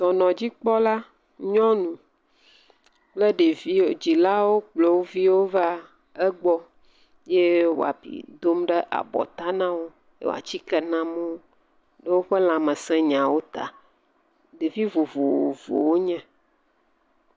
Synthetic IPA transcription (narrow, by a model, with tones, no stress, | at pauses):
t̪ɔ˨nɔ̃˨d͡ʑi˦k͡pɔ˦la˦ | ɲɔ̃˦nũ˨ | k͡plɛ˦ɖe˨vi˦˨d͡ʑi˨la˦wo˦k͡plo˨wo˦vi˦wo˦va˦ | ɛ˦ɡ͡bɔ˦ | je˦wo̰˨a̰˨pḭ˨d̪o˦mɖɛ˦ʔa̰˨bɔ̰˨t̪a˦nã˦wo˦ | jḛ˦w̰a̰˨t͡ɕi˦kɛ˨nã˦mõ˦ | ɖɛ˦wo˦ɸɛ˦l̃ã˨mɛ̃˨sɛ̃˦ɲã˨wo˦t̪a̰˨ | ɖe˨vi˦vo˨vo˨wo˨vo̰˨wo˦ɲɛ̃˦